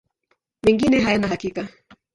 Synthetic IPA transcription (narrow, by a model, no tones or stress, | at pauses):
mɛŋɡinɛɦajanahakika